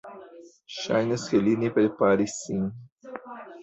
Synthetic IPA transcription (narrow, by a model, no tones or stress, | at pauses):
ʃa̰jnɐskelinepɾepaɾisĩ